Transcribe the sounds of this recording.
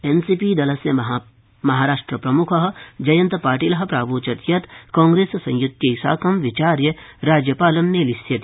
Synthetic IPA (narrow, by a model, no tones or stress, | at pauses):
ensiːpid̪ɐlɐsjɐɦ | mɐɦaːɾaːʂʈɾɐpɾɐmukʰɐɦɐd͡ʒɐjɐ̃nt̪paːɾʈiːlɐɦɐ̆pɾaːbuːt͡ʃɐt̪jɐt̪kɔ̃ːŋɡɾeːssɐ̰̃jjut̪jɐisa̰ːkɐmʋit͡ʃaːɾjɐɾaːd͡ʒjɐpaːlɐmneːlisjɐt̪